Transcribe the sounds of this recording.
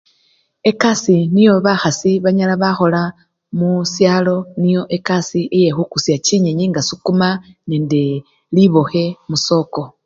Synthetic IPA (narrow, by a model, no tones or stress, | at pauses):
e̞kasinijo̞βaxasiβaɲalaβaxo̞la | musjalo̞nijo̞ʔekasiʔije̞xukusjaciɲeɲiŋɡasukumaneːnde | liβo̞xe̞muso̞ːko̞